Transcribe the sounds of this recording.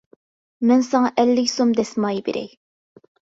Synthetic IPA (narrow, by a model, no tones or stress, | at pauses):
mɛnsɑŋɑʔɛlːɪkʲsomd̪ɛsmɑjbḛɾɛ̰j